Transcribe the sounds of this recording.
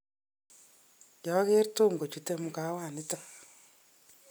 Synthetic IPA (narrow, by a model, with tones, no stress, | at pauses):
ja˨˦ke˦ɾto˦˨ŋɡo˨t͡ʃu˨te˦mu˨ka˦waː˨ni˦ta˨